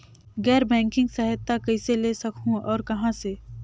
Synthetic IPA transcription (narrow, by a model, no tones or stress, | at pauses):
ɡɛːɾbɛ̃ːŋkɪ̃ŋɡsɐɦɪt̪ːakɐɪseleːsɐkʰũɔːɾkɐɦãse